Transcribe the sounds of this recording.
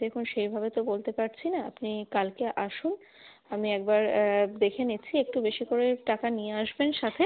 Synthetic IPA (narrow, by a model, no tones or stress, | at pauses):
ekʰunʃejbʱabet̪obolt̪epaɾt͡ɕʰinaapnikalkeʔaʃun | amiɛk̚baɾd̪ekʰenet͡ɕʰiek̚ʈubeʃikoɾeʈakanijeaʃbenʃat̪ʰe